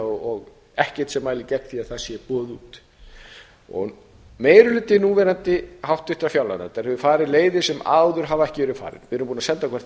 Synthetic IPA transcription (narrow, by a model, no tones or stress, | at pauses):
ɔɔɣ | ɛhcɛ̥t̪sɛmːaːjlɪcɛk̪θiaðθasjɛpɔːðuːt̪ | ɔ̰ɣ | meːjɾʏlʏːt̪ːɪnuːvɛɾant̪ɪhawht̪ʏht̪ɾafjawla̰na̰ɛt̪ːaɾhɛvʏfaːɾɪleːjðɪsɛma̰ːwðʏɾ̥ɦavaɛhcɪvɛːɾʏfa̰ːɾɪ̰nɪʏɾʏmpunasɛnt̪akʰvɛr̥t